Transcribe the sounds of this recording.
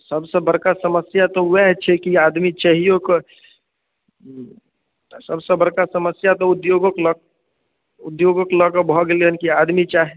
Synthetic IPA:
səbsə̃bəɾkasəməsjat̪ɔwɛɦt͡ʃʰɛkiad̪mit͡ʃaɦijokə | səbsə̃bəɽkasəməsjat̪ɔud̪joɡəklɔk̚ | ud̪joɡəklɔkəbʱɔɡeleɦənkiad̪mit͡ʃaɦi

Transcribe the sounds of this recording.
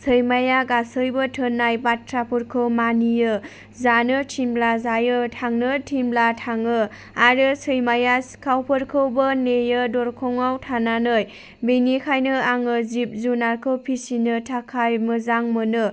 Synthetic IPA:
sʰɯjmajaɡasɯjbɯtʰɯnːajbatɾapʰuɾkʰɯwmanijɯ | zanɯtʰimblazajɯtʰaŋnɯtʰimblatʰaŋɯ | aɾɯsɯjmajaskʰawpʰɯɾkʰɯwbɯnejɯdɔɾkʰɔŋawtʰananɯj | benikʰajnɯaŋɯzip̚zunaɾkʰɯwpʰisinɯtʰakʰajmɯzaŋmɯnɯ

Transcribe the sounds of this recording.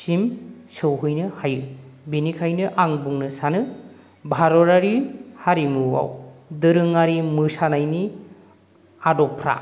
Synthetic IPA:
simsɯwɦɯjnɯhajɯbinikʰajnɯʔaŋbuŋnɯsanɯ | bʱaɾɔɾaɾihaɾimɯwa̰wdɯɾɯŋaɾimɯsanajni | adɔpʰɾa̰

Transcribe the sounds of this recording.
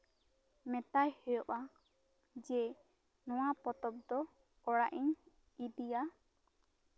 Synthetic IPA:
mɛt̪ajhɔjɔʔa | d͡ʒɛ | nɔwapɔt̪ɔp̚d̪ɔ | ɔɽaʔiɲ | idija

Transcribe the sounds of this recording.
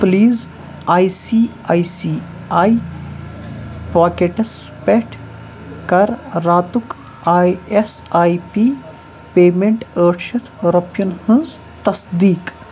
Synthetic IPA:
pliːz | aːjsiː | aːjsiː | aːj | paːkeʈɐspeʈʰ | kɐɾːaːt̪uk | aːjesaːjpiː | peːmeɳʈəːʈʃɐt̪ɾɐpjɐnhɨ̃nz | t̪ɐsd̪iːk

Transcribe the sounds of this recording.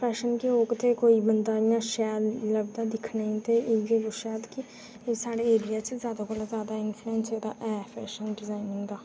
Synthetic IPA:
pʰɛːʃənkeoːɡt̪ekoːiːbənd̪aːjãːʃɛːɾləb̚d̪aːd̪ɪkʰnaːĩt̪eʔeiɡeɡʊʃaːt̪kɪ | saːɽeːeːɾɪjaːt͡ʃzjaːd̪akolazjaːd̪aɪnfʰluɛ̃ːnseːd̪a̰ːʔɛːpʰɛːʃənɖɪzaːɪnɪ̃ŋɡd̪aː

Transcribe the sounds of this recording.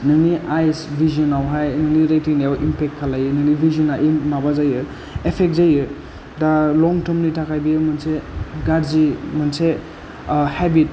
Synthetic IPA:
nɯŋniʔajsbʱiziɔnawɦajnɯŋniɾajtiŋajawʔimpek̚tkʰːalajɯnɯŋnibʱiziɔnawʔimabazajɯ | epʰek̚zajɯ | dalɔŋtɯɾmnitʰakʰajbijɯmɯnseɡaɾzimɯnse | hɛbit̚

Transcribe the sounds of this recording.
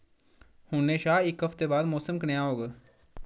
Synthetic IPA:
hʊnːẽːʃaːɪkɦəft̪eːbaːd̪mɔːsəmkənejaːɦoːɡə

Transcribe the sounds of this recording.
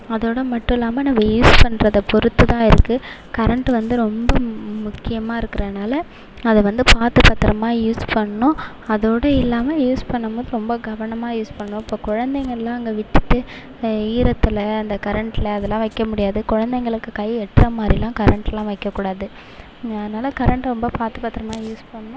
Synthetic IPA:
ɐðoːɽɐmɐʈːʊ̃ɪlːaːmɐnɐmːɐjuːspɐɳːɾɐðɐpɔɾɯt̪ːɯt̪ãːɪɾɯkːɯkɐɾɐɳʈɯʋɐnd̪ɯɾɔmbɐmʊkːɪjɐmaːɪɾɯkːɪɾɐðɯnaːlɐ | ɐðɐʋɐnd̪ɯpaːt̪ɯpɐt̪ːɪɾɐmaːjuːspɐɳːɐnʊ̃ | ɐðoːɽɐɪlːaːmɐjuːspɐɳːɐmboːðɯɾɔmbɐɡɐʋɐnɐmaːjuːspɐɳːɐnʊ̃ɪpːoːkʊɻɐnd̪ɛŋɡɐɭɪlãːɐŋɡeʋɪʈːɯt̪ːɯ | iːɾɐt̪ːɪlɐɐnd̪ɐkɐɾɐɳʈɪlɐːðɛlːãːʋɐɪkːɐmʊɽɪjaːðɯkʊɻɐnd̪ɛŋɡɐɭɯkːɯkɐɪɛʈːrɐmaːd̪ɾilãːkɐɾɐɳʈlːãːʋɐɪkːɐkːuːɽaːðɯ | ɐðɐnaːlɐkɐɾɐɳʈɾɔmbɐpaːt̪ɯpɐt̪ːɪɾɐmaːjuːspɐɳːɐnʊ̃

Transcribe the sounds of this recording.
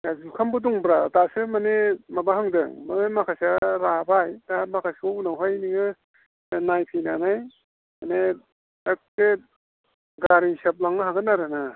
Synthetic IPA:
azukʰambɯduŋbɾatasɯmanemabahaŋdɯ̰ŋmanemakʰasaɾabajdamakʰasounawɦajniŋɯ | najpʰijnanaj | mane | ak̚te | ɡaɾiŋsap̬̚laŋɯɦaɡɯnaɾɯna

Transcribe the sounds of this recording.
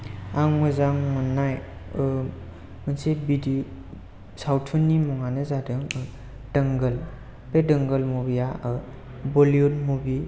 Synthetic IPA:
aŋmɯzaŋmanːajɯ | mənsebidi | sawtʰunːimɔŋanɯzadɯŋɯ | dəŋɡəl | pedəŋɡəlmubijaɯ | bɔljunmubi

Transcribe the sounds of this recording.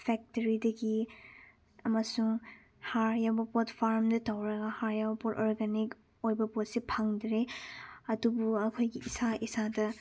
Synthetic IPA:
pʰɛk̚tɐɾidɐɡi | ɐmɐsuŋ | haɾjabɐpɔtpʰaɾmdɐtawɾɐɡɐhaɾjabɐpɔtɔɾɡanik | ojbɐpɔt̚sipʰaŋdɾeɐdubuɐkʰojɡiːsaʔisadɐ

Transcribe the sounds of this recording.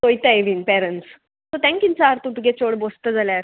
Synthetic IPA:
t̪ojt̪aeʋinpɛɾəɳs | t̪ot̪ɛ̃ŋkint͡saɾt̪ut̪uɡet͡ɕoɽbost̪əd͡zaljaɾ

